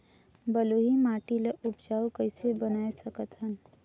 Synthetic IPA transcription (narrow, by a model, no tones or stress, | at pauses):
bəloɦimaːʈileʔʊpd͡ʒaːukəɪsebənaːesəkət̪ɦən